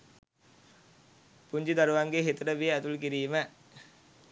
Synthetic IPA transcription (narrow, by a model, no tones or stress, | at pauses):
puɲd͡ʒid̪aɾuʋaŋɡeɦet̪uɾəʋiəːt̪ulkiɾiːmə